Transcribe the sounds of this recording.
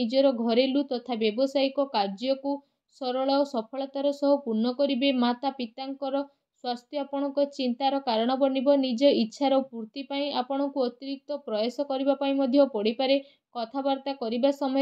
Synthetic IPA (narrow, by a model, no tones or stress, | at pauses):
id͡ʒɔɾɔɡʱɔɾelut̪ɔt̪ʰabjɔbɔsajkɔkaɾd͡ʒɔku | sɔɾɔɭɔsɔpʰɔɭɔt̪aɾɔsɔɦupuɾnɔkɔɾibemat̪apit̪aŋkɔɾɔ | swast̪ʰjɔapɔɽ̃ɔŋkɔt͡ʃint̪aɾɔkaɾɔɽ̃ɔbɔnibɔnid͡ʒɔitːʃʰaɾɔpuɾt̪ipaĩapɔɽ̃ɔkuɔt̪iɾik̚t̪ɔpɾɔjasɔkɔɾibapaĩmɔd̪ʱjɔpɔɽipaɾe | kɔt̪ʰabaɾt̪akɔɾibasɔmɔ